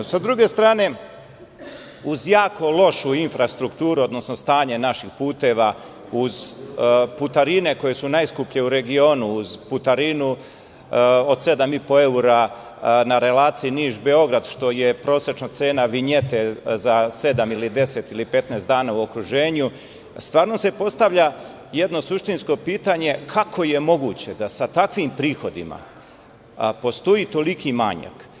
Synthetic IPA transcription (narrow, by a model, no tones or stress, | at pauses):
sad̪ɾuɡe̞st̪ɾaːne̞ | uzjaːko̞lˠo̞ʃuinfɾast̪ɾukt̪uːɾuo̞d̪no̞sno̞st̪aːɲe̞naʃixpuːt̪e̞ʋa | uz | put̪aɾine̞ko̞je̞sunajskupʎe̞uɾe̞ɡio̞ːnuːzput̪aɾinu | o̞d̪se̞d̪amipo̞e̞uɾa | naɾe̞laːt̪siiniːʒbe̞o̞ɡɾad̪ʃt̪o̞je̞pɾo̞ːsɾet͡ʃnat̪se̞ːnaʋiɲet̪ezase̞d̪amilid̪e̞se̞t̪ilipe̞t̪neːst̪d̪aːnauo̞kɾuʒeːɲu | st̪vʋaːɾno̞se̞po̞st̪aʋʎa | je̞d̪no̞suʃt̪insko̞piːt̪aɲe̞kʰakʰo̞je̞mo̞ɡuːt͡ɕe̞d̪asat̪akʋimpɾiːxo̞d̪ima̰ | po̞st̪o̞jiːt̪o̞likʰima̰ɲa̰k